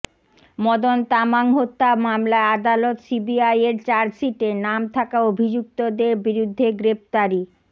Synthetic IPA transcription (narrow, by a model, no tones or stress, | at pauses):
mɔd̪ont̪amaŋɦot̪ːamamlaead̪alot̪sibiajeɾt͡ɕaɾsiʈenamt̪ʰakaobʱid͡ʑuk̚t̪od̪eɾbiɾud̪ʱːeɡɾep̚t̪aɾi